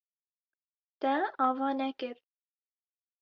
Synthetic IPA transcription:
t̪ɛɑːvɑːnɛkɨɾ

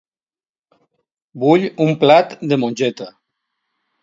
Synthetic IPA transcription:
buʎumplat̪d̪emonʲd͡ʒɛt̪a

